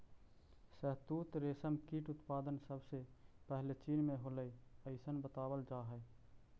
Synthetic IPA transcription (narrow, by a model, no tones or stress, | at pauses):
səɦt̪ut̪ɾesəmkiʈʊt̪pad̪ənsəbsepəɦlet͡ʃinmẽɦoləjəɪsənbət̪abəld͡ʒaɦɛ